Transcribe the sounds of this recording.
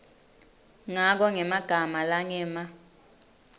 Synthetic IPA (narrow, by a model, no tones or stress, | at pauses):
ŋak̬ɔŋɛmaɡ̥ʱamalaŋɛːma